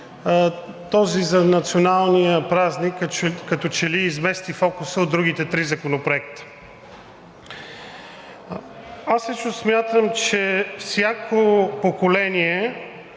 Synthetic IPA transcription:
t̪ɔzizɐnɐt̪sionalˠnijəpɾaznikːkːɐt̪ɔt͡ʃɛliːzmɛst̪ifɔkusəod̪ɾuɡit̪ɛt̪ɾizɐkonopɾoɛkt̪ə̥ | aslət͡ʃnosmʲjat̪əmt͡ʃɛfsʲjakʰopokolɛniɛ

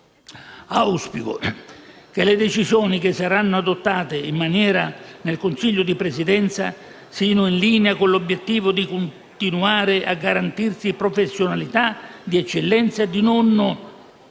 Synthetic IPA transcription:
auspikʊ̰ | k̟elɪd̪et͡ʃizjɔːnikɪsːaɾanːʊad̪ot̪ːaːt̪ɪimːanjɛːɾanelkʊnsiʎːʊd̪ipɾesid̪ɛnt̪sa | siːnʊinliːneakʊnlobjet̪ːiːvʊd̪ikʊn | t̪inuaːɾɪʔa̰ɡːaɾant̪irsipɾofesːjonalit̪ad̪iɛt͡ʃːelːɛnt̪sad̪inon

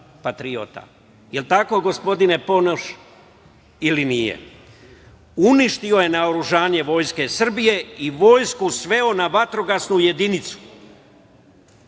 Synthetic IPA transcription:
pat̪ɾio̰t̪a̰ | jelt̪ako̞ɡo̞spo̞d̪ine̞po̞noʃ | ilinijḛ | uniʃt̪io̞je̞naoɾuʒaːɲe̞ʋo̞jske̞sr̩bije̞iʋo̞ːjskusʋe̞o̞naʋat̪ɾo̞ɡasnuje̞d̪init̪su̥

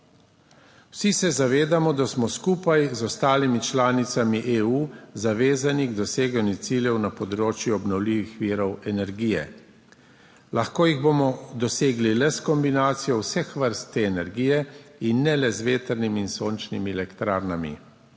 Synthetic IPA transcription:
w̥sisɛzaʋeːd̪amɔd̪asmɔskuːpajzɔst̪aːlimit͡ʃlaːnit̪samiʔeːuːzaʋeːzaniɡd̪ɔseːɡanjut̪siljɛwnapɔd̪ɾoːt͡ʃjuɔbnɔwliːʋixʋiːɾɔwɛnɛɾɡiːjɛ̰ | laxkoːjiɣboːmɔd̪ɔseːɡlilɛskɔmbinaːt̪sijɔwsɛxʋəɾst̪ːeːɛnɛɾɡiːjɛinːɛlɛzʋeːt̪əɾnimiːnsoːnt͡ʃnimiɛlɛkt̪ɾaːɾnamḭ

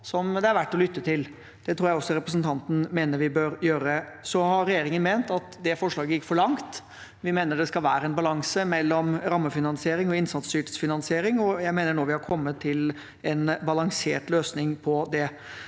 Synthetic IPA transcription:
sɔmd̪ɛæɾʋæʈːɔlʏt̪ːət̪ʰɪl | d̪̥ɛt̪ʰɾuːɾjæɪɔsːɔɾɛpɾəs̬n̩t̪ʰɑnt̪n̩meːnəɾʋɪbøɾjøːɾəsɔhɑɾɾɛjeːɾɪŋənmeːnt̪ɑt̪d̪ɛfɔʂɭɑːɡəjɪkːfɔɭɑŋt̪ | ʋɪmeːnəɖɛskɑlʋæːɾəɛnbɑlɑŋsəmɛlːɔmɾɑmːəfɪnɑnsɪeːɾɪŋɔɪnsɑt̪st̪yːʈə̥sfɪnɑnsɪeːɾɪŋɔjæɪmeːnəɳoːʋɪhɑɾkʰɔmːət̪ʰːɪl | ɛnbɑlɑŋseːʈløːsnɪŋpʰɔd̪ɛ

